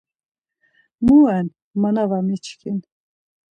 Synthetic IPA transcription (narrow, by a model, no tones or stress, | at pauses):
muɛn | manavamit͡ʃʰkʰin